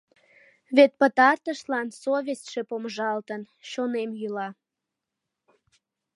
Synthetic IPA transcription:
βet̪̚pət̪ɑrt̪əʃlɑnsoβʲest̪ʲʃe̽poməʒɑlt̪ən | ɕonemjylɑ

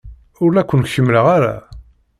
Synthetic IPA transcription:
ʊɾlækʷːənçəmːləʁaɾæ̰

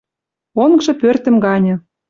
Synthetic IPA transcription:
onɡʒɤ̆pørt̪ə̆mɡɑnʲɤ̆

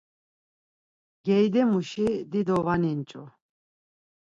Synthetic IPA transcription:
ɡ̥ɛjd̪ɛmuʃid̪id̪ɔvanint͡ʃʼɔ

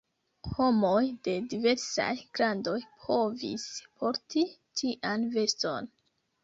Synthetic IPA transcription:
ho̞mojde̞dive̞ɾsa̰jɡɾando̞jpʰo̞vḭspʰo̞ɾtitʰiʔanve̞sto̞̰n

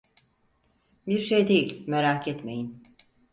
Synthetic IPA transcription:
biɾʃejd̪e̞jilʲmeɾaːkʰɛt̪me̞̰jin

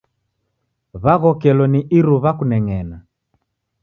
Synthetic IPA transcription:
βaɣɔkɛlɔniʔiɾuβakunɛŋɛna

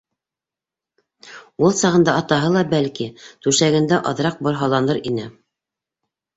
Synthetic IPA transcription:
ulˠsɑʁɤ̆nd̪ɑɑt̪ɑɦɤlˠɑbælkit̪ʉʃæɡɘ̆nd̪æʔɑðɾɑq̚bŏɾɦɑlˠɑnɤɾinɘ

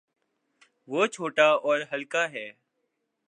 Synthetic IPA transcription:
ʋoːt͡ʃʰoːʈaːɔːɾɦəlkaːɦɛː

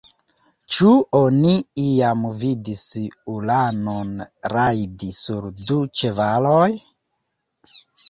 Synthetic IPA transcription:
t͡ʃuo̞niiamvidisulanonɾajdisuɾdut͡ʃe̞valoj

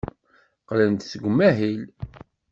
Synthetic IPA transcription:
qlənt̪θəɡʷəmːæɦil

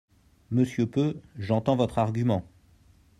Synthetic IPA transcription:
məsjøpøʒɑ̃t̪ɑ̃vɔt̪χaʁɡʲymɑ̃

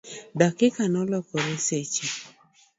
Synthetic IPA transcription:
dakɪkanɔlɔkɔɾeset͡ʃi

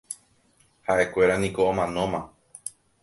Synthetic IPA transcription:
haʔe̞kʷe̞ɾanĩkoõmãnõ̞mã

